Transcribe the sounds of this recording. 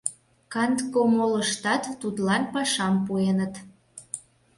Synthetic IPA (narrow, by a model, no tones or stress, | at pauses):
kɑnt̪komoləʃt̪ɑt̪ːut̪lɑnpɑʃɑmpuenət̪